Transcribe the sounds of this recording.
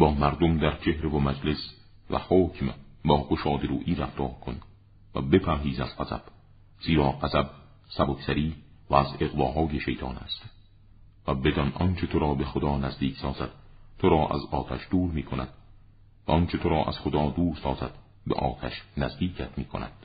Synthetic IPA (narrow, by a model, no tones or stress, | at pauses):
bɒːmæɾd̪omd̪æɾt͡ʃʰe̞hɾevomæd͡ʒles | væ̰hoːcʰmbɒːɡoʃɒːd̪eɾuːʔiːɾæft̪ʰɒːɾkʰon | væ̰be̞pʰæɾɦiːzæz̥qæzæ̰b̥ | z̥iːɾɒːqæzæb̚ | sæbokʰsæɾiːvæːze̞ɣvɒːɦɒːjeʃe̞jt̪ʰɒːnæ̰st̪ | væbe̞d̪ɒnʔɒnt͡ʃʰe̞t̪ʰoɾɒːbe̞xod̪ɒːnæzd̪iːksɒːzæd̪̥̚t̪ʰoɾɒːʔæ̰zɒːt̪ʰæʃd̪̥uːɾmiːkʰonæd̪̥̚ | væ̰ʔɒnt͡ʃʰe̞t̪ʰoɾɒːʔæ̰z̥χod̪ɒːd̪uːɾssɒːzæd̪̥ | beʔɒ̰ːt̪ʰæʃnæzd̪iːcʰæt̪ʰmiːkʰo̰næ̰d̪̥